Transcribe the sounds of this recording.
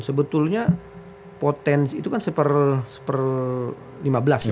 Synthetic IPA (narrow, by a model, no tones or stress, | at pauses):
səbət̪ʊlɲa | pot̪ɛnsit̪ukansəpərsə̥pər | limabəlas